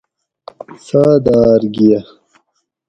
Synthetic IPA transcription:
saːd̪aːɾɡijɐ

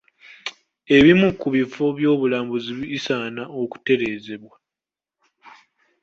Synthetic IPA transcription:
e̞βimukuβifoβjo̞ːβulaːmbuziβiisaːnaʔo̞ku̥te̞ɾe̞ːze̞βwa

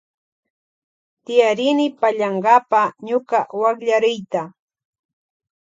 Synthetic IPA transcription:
t̪ɪjaɾɪnɪpaʎaɴɢɑpaɲʊkawakʎaɾɪjt̪a

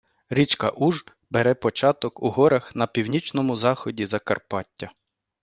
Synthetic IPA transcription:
ɾʲit͡ʃkɐʔuʒ | beɾɛpɔt͡ʃɑt̪ɔkuɦɔɾɐxnɐpʲiwnʲit͡ʃnɔmʊzɑxɔdʲizɐkɐrpɑtʲːɐ

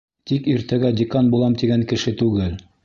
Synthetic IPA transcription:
t̪ikiɾt̪æɡædʲɪkanbulˠɑmt̪iɡæŋkɘ̆ʃɘt̪ʉɡɘl

